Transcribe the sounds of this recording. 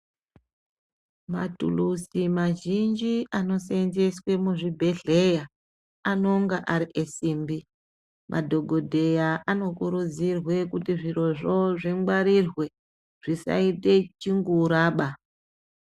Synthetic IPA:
ma̰tṵlusimaʒind͡ʒiʔano̞senze̞swe̞muʐibʱe̞ɮe̞ja | ano̞ŋɡaʔaɾiʔesiːmbi | mʔa̰dʱo̞ɡʱo̞dʱe̞jaʔano̞kuɾud͡zirwe̞kutiʐiro̞ʐo̞ʐiŋɡwaɾirwe̞ | ʐ̥isa̰ite̞t͡ʃiŋɡuɾaːɓa

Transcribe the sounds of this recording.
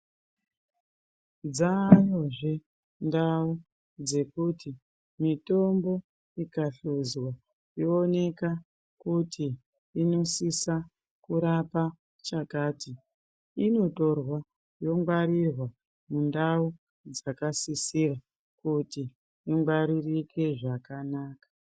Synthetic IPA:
d͡zaːjoʐe | ndau | d͡ze̞kuti | mito̞mbo̞ | ikaɬuzwa | joːne̞ka | kutʰiː | no̞sisa | kuɾapa | t͡ʃakaːti | ino̞to̞rwa | jo̞ŋɡwaɾirwa | mundau | d͡zakasisira | kuti | iŋɡwaɾirike̞ʐakanaːkḁ

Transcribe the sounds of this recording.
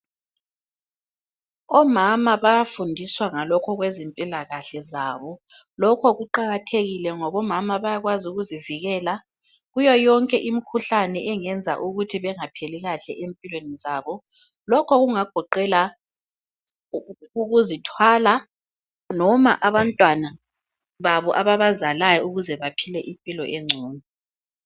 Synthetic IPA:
ɔmamaβajafundʱiswaŋalɔkʰɔɣwezimpʼilaɣaɬɛzaβɔlɔkʰɔɣuǃaɣatʰeɣilɛŋɔβɔmamaβajaɣwazuɣuziviɣɛːla | ɣujɔjɔŋkʼɛʔimikʰuɬanɛʔɛŋɛnd͡zʱa̰ʔuɣutʰiβɛŋapʰeliɣaɬɛʔempʼilwenizaːβɔ | lɔkʰɔɣuŋaɡ̥ʱɔǃɛla | uɣuzitʰwala | nɔma̰ʔaβantʼwana | βaβɔʔaβaβazalajɔuɣuzɛβapʰilɛʔimpʼilɔ̰ʔeŋ͡ǀʱuːni

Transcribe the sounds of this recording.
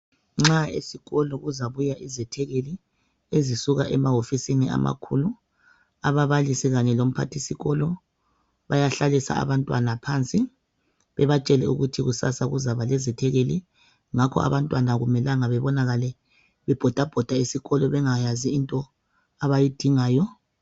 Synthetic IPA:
ŋ͡ǁaḛsiɣɔlɔɣuzaβujaʔizɛtʰɛɣeli | ezisuɣaʔɛmaɦofisinia̰ma̰kʰulu | aβaβalisɛɣaɲɛlom̩pʰa̰tʰisiɣɔlɔ | βajaɬalisa̰a̰βantʼwa̰napʰant͡sʼi | βɛβat͡ʃʼɛlɛṵɣutʰiɣusa̰saɣuzaβalɛzɛtʰɛɣeli | ŋakʰɔ̰a̰βantʼwanaɣumɛlaŋaβɛβɔnaɣalɛ | βɛb̥ʱɔd̥ʱab̥ʱɔd̥ʱaisiɣɔlɔβɛŋajaziintʼɔ | aβajid̥ʱiŋaːjɔ

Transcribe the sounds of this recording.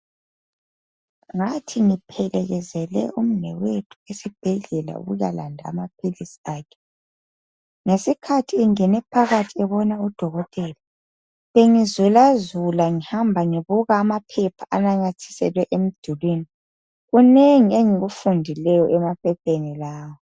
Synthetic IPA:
ŋatʰiŋipʰɛlɛɣɛzɛlɛ̰ʔum̩nɛwetʰu̥esib̥ʱɛɮɛla̰ṵɣṵja̰la̰ndʱa̰ːmapʰilisi̥aːkʰɛ̥ | ŋesikʰatʰiːŋɛnɛpʰaɣatʰiɛβɔnaud̥ʱɔɣɔtʼɛːla | βeŋizulazulaŋihambʱaŋiβuɣaːmapʰɛpʰaʔanaɲatʰi̥sɛlwɛʔem̩d̥ʱulwiːni | ɣuneŋieŋiɣufundʱilɛjɔʔɛmapʰɛpʰenilaːwɔ

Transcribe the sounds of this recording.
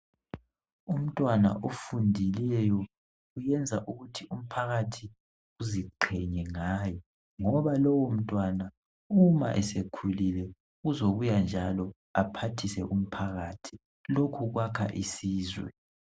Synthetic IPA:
um̩tʼwana̰ʔofundʱilɛjɔ | ujɛnd͡zʱaʔuɣutʰium̩pʰaɣatʰi | uziǃʰɛɲɛŋaːjɔ | ŋɔβalɔwom̩tʼwana | uma̰ʔɛsekʰulilɛ | ɣuzoβujand͡ʒʱalɔ | apʰatʰisɛ̰ʔum̩pʰaɣaːtʰi̥ | lokʰuɣwakʰa̰ʔisiːzwɛ̰

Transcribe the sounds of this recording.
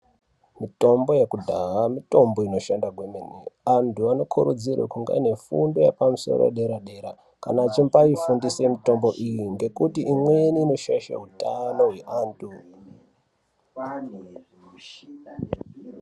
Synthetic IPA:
mito̞mbo̞jekudʱaamito̞mbo̞ino̞ʃandaɡʱwemeneantʰuano̞kʰuɾud͡zirwḛkuŋɡa̰ine̞fṵndo̞jḛpamuso̞̰ro̰ɗe̞ɾaɗe̞ɾa̰ | ka̰nat͡ʃimbaifundise̞mito̞mbo̞ʔijiŋɡe̞kutiimweniːno̞ʃaʃa̰utano̞ɦwe̞ʔaːntu

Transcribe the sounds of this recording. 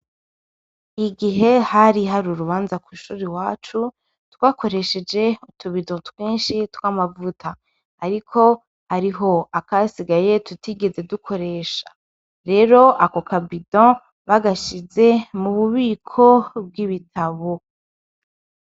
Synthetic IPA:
iɡiɦe̞haɾiɦaɾuɾuβaːnzakwuʃuːɾiwaːt͡ʃu | twaːko̞ɾe̞ʃe̞d͡ʒe̞utuβidõtweːnʃitwaːmavutaː | ɾikʰo̞ | haɾiɦo̞akasiɡaje̞tutiɡe̞ze̞dukʰo̞ɾe̞ʃḁ | ɾe̞ːɾo̞ʔako̞kʰabidɔ̃ | βaɡaʃize̞muβuβiːkʰo̞b̚ɡiβitʰaβo

